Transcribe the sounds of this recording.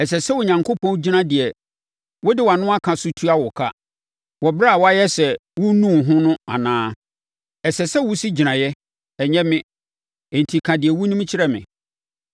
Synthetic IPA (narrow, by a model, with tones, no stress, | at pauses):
ɛ˨sɛ˨sɛ˦wʊ˨ɲã˨ŋkʰo˦pʰɔ̃˦n˦d͡ʑi˦nã˦dɪ˨ɛ˨ | wɔ˦dɪ˦wa˨nʊ̃˦a˦kʰã˨sʊ˦tʰu˦a˦wɔ˨kʰa˦ | wɔ˨ba˦a˨wɔ˦a˦jɛ˦sɛ˨wʊ˦nũ˦˨ɦʊ̃˦nʊ̃˦a̰˨nãː˦ | ɛ˨sɛ˨sɛ˦wʊ˦si˦d͡ʑi˨nã˨jɛ˦ | ɛ˨ɲɛ̃˦mɪ̃˦ | e˨n̩˨tʰi˨kʰã˨dɪ˨ɛ˨wʊ˦nũ˦m˦t͡ɕʰɪ˦ɾɛ˦mɪ̰̃˨